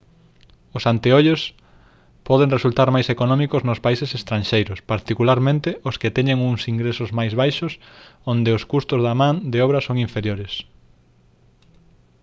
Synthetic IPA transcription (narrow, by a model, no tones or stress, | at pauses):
ʊsant̪eoʎos | pɔðeŋresult̪aɾmajsekonɔ̃mikʊznʊspaisesest̪ɾãnʃejɾʊspaɾt̪ikulaɾmẽnt̪ɪʔʊskɪt̪ɛɲeŋuŋsiŋɡɾesʊzmajzβajʃʊsõnd̪eʊskust̪ʊzðɐmãnd̪eɔβɾɐsoŋiɱfeɾjoɾɪs